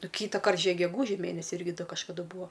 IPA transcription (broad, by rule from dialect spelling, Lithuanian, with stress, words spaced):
ˈnʊ ˈkʲiːtɐˌkɐrt ˈʒʲiɛk ɡʲɛˈɡuːʒʲɪ ˈmʲeːnʲɛsʲɪ ˈɪrʲɡʲɪ ˈdɐ kɐʃkɐˈdʊ ˈbuːɐ